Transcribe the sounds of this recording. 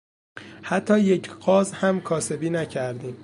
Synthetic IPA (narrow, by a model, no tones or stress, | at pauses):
hæt̪ʰːɒːje̞cʰɢɒːzhæmkʰɒːse̞biːnæcʰæɾd̪iːm